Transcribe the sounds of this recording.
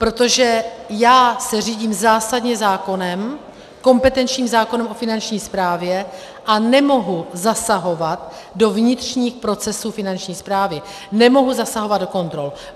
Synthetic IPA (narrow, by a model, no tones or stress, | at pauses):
pɾo̞t̪o̞ʒɛjaːsɛr̝iːɟiːmzaːsadɲɛzaːko̞nɛm | ko̞mpɛt̪ɛnt͡ʃɲiːmzaːko̞nɛmʔo̞fɪnant͡ʃɲiːspɾaːvjɛ | ʔanɛmo̞ɦuzasaɦo̞vat̪̚ | do̞vɲɪt̪r̝̥ɲiːxpɾo̞t͡sɛsuːfɪnant͡ʃɲiːspɾaːvɪ | nɛmo̞ɦuzasaɦo̞vad̪̚do̞ko̞nt̪ɾo̞l